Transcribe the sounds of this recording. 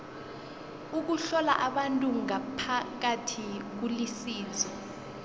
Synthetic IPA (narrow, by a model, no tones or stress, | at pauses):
uk̬uɬɔlaʔaɓantʼuŋapʰak̬atʰik̬ulisiːnd͡zʱɔ